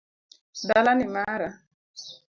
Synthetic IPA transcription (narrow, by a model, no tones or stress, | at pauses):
dalanimaɾa